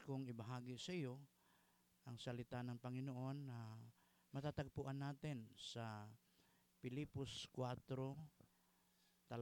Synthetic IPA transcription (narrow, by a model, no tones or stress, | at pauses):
kʊŋɪbɐɦaːɡɪsɐjo | ʔɐŋsɐlɪt̪anɐŋpɐŋɪnoʔo̞nːa | mɐt̪at̪aɡ̚pʊʔanːaːt̪ɪnsɐ | pɪliposkwat̪ɾo | t̪ɐl